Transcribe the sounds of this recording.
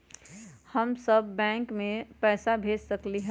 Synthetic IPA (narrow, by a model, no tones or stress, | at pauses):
həmsəbːɛ̃ːŋkmẽpɛːsabʱeːd͡ʒsəkliɦɛ